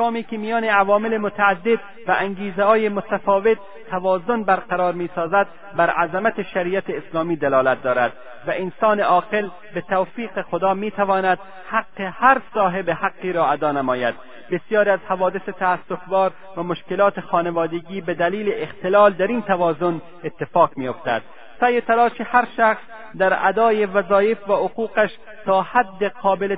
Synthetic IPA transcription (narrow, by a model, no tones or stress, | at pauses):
kɒːmiːkʲemijɒːneavɒːmelemot̪ʰæːd̪ːed̪ | væʔæŋɡiːzehɒːjemot̪æfɒːvet̪ʰːævɒːzonbæɾqæɾɒːɾmiːsɒːzæd̪ | bæɾʔæzæmæt̪ʰeʃæɾiːæt̪ʰeːslɒːmiːd̪elɒːlæt̪̚d̪ɒːɾæd̪ | væʔensɒːneʔɒːqe̞l | bet̪ʰawfiːqexod̪ɒːmiːt̪ʰævɒːnæd̪ | haqːehæɾsɒːɦebehaqːiːɾɒːæd̪ɒːnamɒːjæd̪̥ | besjɒːɾiæzhævɒːd̪eset̪ʰæːsːofbɒːɾ | væmoʃkelɒːt̪exɒːnevɒːd̪eɡiːbed̪æliːleʔext̪elɒːld̪æɾiːnt̪ʰævɒːzon | et̪ːefɒːqmiːjoft̪æ̰d̪̥̚ | sæjet̪ʰælɒːʃehæɾʃæxs | d̪æɾæ̰d̪ɒːjevæzɒːjefvæoquːqæʃ | t̪ɒːhæd̪ːeqʰɒːbele